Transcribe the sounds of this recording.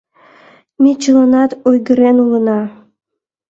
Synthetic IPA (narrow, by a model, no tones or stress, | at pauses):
mʲit͡ɕələnɑt̪ujɡə̆ɾenulə̆nɑ